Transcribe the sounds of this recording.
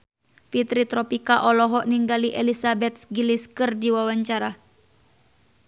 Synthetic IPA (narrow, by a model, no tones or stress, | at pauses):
fit̪ɾit̪ɾɔpikaʔɔlɔɦɔʔniŋɡaliʔelisabɛt̪̚sɡiliskɨrdiwawaɲt͡ʃaɾa